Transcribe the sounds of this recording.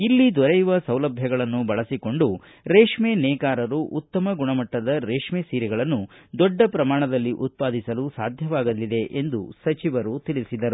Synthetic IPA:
ilːid̪ɔɾɐjuʋɐsɐwlɐbʱjɐɡɐɭɐnːubɐɭɐsiko̞ɳɖu | ɾeːʂmeːnɛːkaːɾɐɾuʔut̪ːɐmɐɡuɳɐmɐʈːɐd̪ɐɾeːʂmeːsiːɾɛɡɐɭɐnːud̪ɔɖːɐpɾɐmaːɳɐd̪ɐlːiʔut̪̚paːd̪isɐlusaːd̪ʱjɐʋaːɡɐlːid̪e̞ʔend̪usɐt͡ʃiʋɐɾut̪iɭisid̪ɐɾu

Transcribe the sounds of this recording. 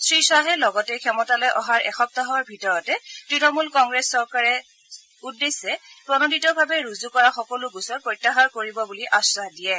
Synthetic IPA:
sɹisaɦɛlɔɡɔtɛkʰɛmɔtalɔjʔɔɦaɹʔɛxɔk̚taɦɔɹbʱitɔɹɔtɛtɹinɔmulkɔŋɡɹɛsːɔɹkaɹɛ | udːesɛpɹɔnoditɔbʱabɛɹuzukɔɹaxɔkɔlʊɡusɔt̚pɹɔjtːaxaɹkoɹibɔbuliʔasadijɛ

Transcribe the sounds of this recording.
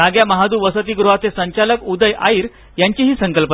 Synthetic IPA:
aɡjaməɦad̪uːʋəsət̪iːɡɾuɦat͡s̪esəɲt͡ɕaləkud̪əjʔa̰iːɾ | jaɲt͡ɕiɦiːsəŋkəlpə

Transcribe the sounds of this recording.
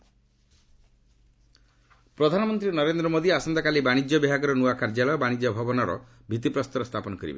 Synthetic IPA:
pɾɔd̪ʱanɔmɔnt̪ɾinɔɾend̪ɾɔmod̪iasɔnd̪akalibaɽ̃id͡ʒjɔbiɦaɡɔɾɔnuakaɾd͡ʒalɔjɔbaɽ̃id͡ʒjɔbʱɔbɔnɔɾɔ̰ | bʱit̪ipɾɔst̪ɔɾɔst̪ʰapɔnɔkɔɾḭbḛ

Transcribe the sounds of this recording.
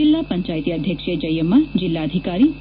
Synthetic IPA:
ilːapəɲt͡ʃajt̪iəd̪ʱjəkʃed͡ʒəjəmad͡ʒɪlːaəd̪ʱikaɾi

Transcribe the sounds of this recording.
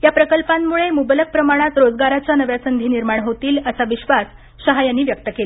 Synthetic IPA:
japɾəkəlpamːuɭemubələk̚pɾəmaɽ̃at̪ɾod͡zɡaɾat͡ɕanəʋjasənd̪ʱiːniɾmaɳɦot̪iːləsaʋiɕʋas | ɕəɦajanːiːʋjək̚t̪əkela

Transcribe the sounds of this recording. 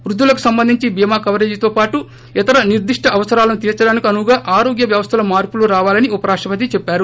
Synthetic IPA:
ʋɾud̪ʱːulɐku̥sɐmbɐnd̪ʱiɲt͡ʃibijmaːkɐʋɐɾe̞ːd͡ʒit̪o̞ːpaːʈu | it̪ɐɾɐniɾd̪iʂʈʰɐʔɐʋɐsɐɾaːlɐnut̪iːɾt͡ʃɐɽaːnikiɐnuɡaːʔaːɾoːɡjɐʋjɐʋɐst̪ʰɐlɐmaːɾpuluɾaːʋaːlɐniupɐɾaːkʂɐpɐt̪̬it͡ʃɛpːaːɾu

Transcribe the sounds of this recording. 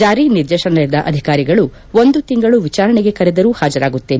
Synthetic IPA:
d͡ʒaːɾiniɾd̪ɛːʃɐnɐɾid̪ɐʔɐ̰d̪ʱikaːɾiɡɐɭu | ond̪ut̪iŋɡɐɭuʋit͡ʃaːɾɐneɡe̞kɐɾɛd̪ɐɾuːhaːd͡ʒɐɾaːɡut̪ːeːn

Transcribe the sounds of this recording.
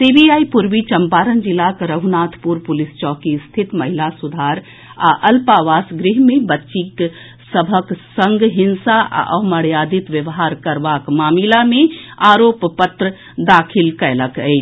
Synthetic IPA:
sibiaːipuɾʋit͡ʃəmpaːɾənd͡ʒɪlakɾəɦunaːt̪ʰpuɾpʊlɪst͡ʃɔːkist̪ʰit̪mɐɦilasud̪ʱaːɾ | a̰ʔəlpaʋaːsɡɾiɦmẽbətːʃik | səbʱəksə̃ŋɡɦɪnsaa̰ʔə̰məɽjaːd̪it̪ʋjəʋɦaːɾkəɾbakmaːmilamẽaːɾoːppət̪ɾə | d̪aːkʰilkɛləkəi

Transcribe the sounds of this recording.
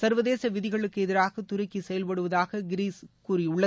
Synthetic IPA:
sɐɾʋɐðeːsɐʋɪðɪɣɐɭɯkːɯɛðɪɾaːɣɐt̪ʊɾɐkːisɛjɐlpɐɽɯʋɐðaːɣɐɡɪɾiːskuːriʊɭːɐ

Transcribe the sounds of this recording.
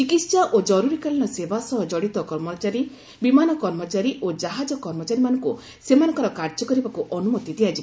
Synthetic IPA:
t͡ʃikit̪saʔod͡ʒɔɾuɾikaliɽ̃ɔsebasɔɦɔd͡ʒɔɽit̪ɔkɔɾmɔt͡ʃaɾi | bimanɔkɔɾmɔt͡ʃaɾiʔod͡ʒaɦad͡ʒɔkɔɾmɔt͡ʃaɾimanɔŋku | semanɔ̃ŋkɔɾɔkaɾd͡ʒɔkɔɾibakuʔɔnumɔt̪id̪iad͡ʒi

